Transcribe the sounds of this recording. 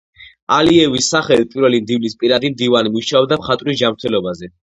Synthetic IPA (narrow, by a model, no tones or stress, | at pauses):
aliɛvisːaχɛlit̪pʼiɾvɛlimd̪ivnispʼiɾad̪imd̪ivanimuʃaɔb̚d̪amχat̪ʼvɾisd͡ʒamɾt̪ʰɛlɔbazɛ